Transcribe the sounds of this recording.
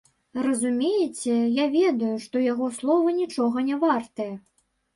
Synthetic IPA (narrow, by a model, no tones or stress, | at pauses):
rɐzumʲejɛt͡sʲɛjavʲɛd̪ɐjuʂt̪ɔjaɣɔslˠɔvɐnʲit͡ʂɔɣɐnʲɛvart̪ɐjɐ